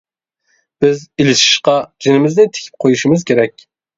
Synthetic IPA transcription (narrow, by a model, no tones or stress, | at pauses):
b̥ɪzilɪʃɪ̥ʃqɑd͡ʒinɪmɪznɪt̪ʰɪ̥kʲʰɪ̥p̚qʰojuʃɪmɨzkʲʰeɾɛk̚ʲ